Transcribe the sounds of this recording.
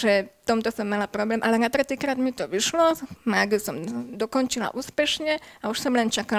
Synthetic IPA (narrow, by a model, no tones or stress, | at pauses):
ʒɛft̪ɔmt̪ɔsɔmːalapɾɔblɛːmʔalɛnat̪ɾɛt̪iːkɾaːd̪mit̪ɔʋiʃlɔmaːɡusɔmd̪ɔkɔnt͡ʃila̰ʔuːspɛʃɲɛauʃsɔmlɛnt͡ʃaka